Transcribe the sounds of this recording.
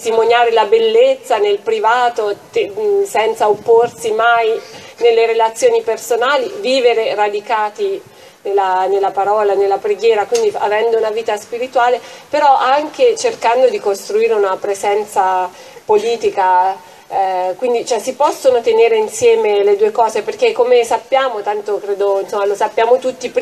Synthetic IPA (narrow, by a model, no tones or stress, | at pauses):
t̪imonjaːɾelabelːet̪sːanelpɾivaːt̪ot̪esɛnt̪saopːorsimajnelːeɾelat̪sːjoːnipersonaːliviːveɾerad̪ikaːt̪i | nelːanelːapaɾɔːlanelːapɾeɡjɛːɾakwind̪ia̰vɛnd̪ounaviːt̪aspiɾit̪waːlepeɾɔʔaŋk̟et͡ʃerkand̪od̪ikost̪ɾuiːɾeunapɾezɛnt̪sa | poliːt̪ika | kwind̪it͡ʃoɛsipɔsːonot̪eneːɾeinsjɛːmeled̪uːekɔːzeperkekːomesapːjaːmot̪ant̪okɾeːd̪oinsomːalosapːjaːmot̪ut̪ːip